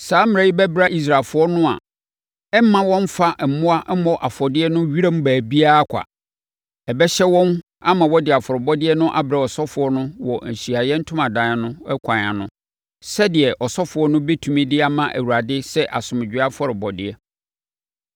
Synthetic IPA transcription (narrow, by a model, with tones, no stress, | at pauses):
saː˦m̩˨a˨ji˦bɛ˦bɾa˦ʔi˦s̬ɾaː˨lfʊ˦ɔ˦nʊ̃˦a̰˨ | ɛ˦m˦mã˦wɔ̃˦n˦fa˦ʔ̩˨mʊ̃˦a˦ʔmɔ˨ʔa˨fɔ˨dɪ˦ɛ˦nʊ̃˦ɥi˦ɾã˦m˦bæː˨bi˦a˦kʷʰa̰˨ | ɛ˨bɛ˦ɕɛ˦wɔ̃˦n | a˦mã˨wɔ˦dɪ˨a˨fɔ˨ɾɪ˨bɔ˦dɪ˦ɛ˦nʊ̃˦ʔa˦bɾa˨ɔ˨sɔ˦fʊ˨ɔ˦nʊ̃˦wɔ˨n̩˨ɕi˨a˨jɛ˦n̩˦tʰʊ̃˦mã˨dã˨n˨˦nʊ̃˦ɛ˦kʰʷã˨nã̰˨nʊ̰̃˦ | sɛ˦dɪ˨ɛ˨ʔɔ˨sɔ˦fʊ˨ɔ˦nʊ̃˦be˦tʰu˨mẽ˦dɪ˦a˦mã˨ʔæ̰˨wu˨ɾa˨dɪ˦sɛ˦ʔa̰˨sʊ̃˨m˨d͡ʑᶣɪ˦a˦fɔ˦ɾɪ˨bɔ˨dɪ˦ɛ˦